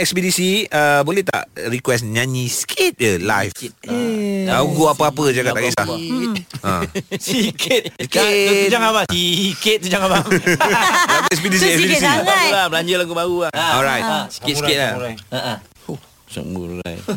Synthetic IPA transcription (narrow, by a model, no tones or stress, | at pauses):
ɛkspidisiəbolɛt̪a̰ʔɾikwɛsɲãɲĩskʰet̪̚jəlajf | aɡuapəapəd͡ʒakat̪aɡisla | ã̰sikʰit̪ | d͡ʒaŋabasikɪt̪̚sud͡ʒaŋaba | atɛks̬bidisiɛsdisiabaɡulabəlaɲd͡ʒəlaɡubaɣulaɔlɾajtsi̥kɪt̪̚ikɪt̪̚la | uh | sa̰ʔmṵla̰jf